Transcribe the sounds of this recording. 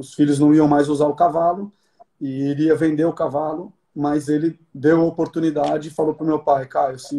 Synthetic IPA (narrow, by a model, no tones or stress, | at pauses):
ʊsfiʎʊznɐ̃w̃iɐ̃w̃majzuzaɾʊkavalʊ | ɪiɾiɐvẽnd̪eɾʊkavalʊ | mɐzelɪ | d̪ewɐopoɾt̪unid̪ad͡ʒɪːfalowpɾʊmewpajkaɾesĩ